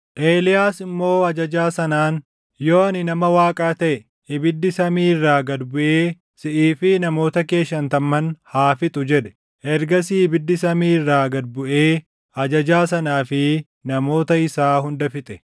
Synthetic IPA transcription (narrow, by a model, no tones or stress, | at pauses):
ʔeːlɪjaːsɪmːo̞ːɐd͡ʒɐd͡ʒaːsɐnaːn | jo̞ːɐnɪnɐmɐwaːkʼaːt̪ɐʔɛ | hɪbɪd̪ːɪsɐmiːɪrːaːɡɐd̪bʊʔeː | sɪʔiːfɪnɐmo̞ːt̪ɐke̞ːʃːɐnt̪ɐmːɐnhaːfɪt̪ʼʊd͡ʒɛᶑ̪ɛ̥ | ʔɛɾɡɐs̬iɪbɪd̪ːɪsɐmiːɪrːaːɡɐd̪̚bʊʔeː | ɐd͡ʒɐd͡ʒaːsɐnaːfɪ | nɐmo̞ːt̪ɐɪsaːɦʊnd̪ɐfɪt̪ʼɛ̥